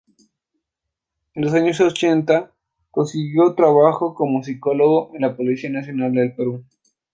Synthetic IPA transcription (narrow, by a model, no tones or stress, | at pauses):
enlosaɲo̞sot͡ʃe̞nt̪a | ko̞nsiɣjo̞t̪ɾaβaxoko̞mos̬iko̞lo̞ɣoʔenlapolisianasjo̞nald̪e̞lpe̞ɾu